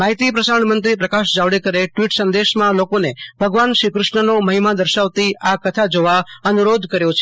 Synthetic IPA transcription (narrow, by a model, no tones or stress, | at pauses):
maɦit̪ipɾəsaɳmənt̪ɾipɾəkaʃd͡ʒaʋɽekəɾeʈʋiʈsənd̪eʃmãlokonebʱəɡʋanʃɾikɾʊʃɳənoməɦimad̪əɾʃaʋt̪iakət̪ʰad͡ʒoʋaənuɾod̪ʱkəɾjõt͡ʃʰe